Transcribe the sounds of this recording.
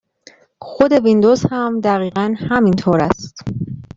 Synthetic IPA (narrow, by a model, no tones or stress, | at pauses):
xod̪e̞vind̪oz̥hæmd̪æɣiːɣænhæmint̪ʰoːɾæst̪